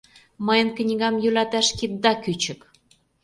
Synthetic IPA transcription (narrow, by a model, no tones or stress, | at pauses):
məjə̆nknʲiɣɑmjylɑt̪æʃkit̪̚d̪ɑkyt͡ɕə̆k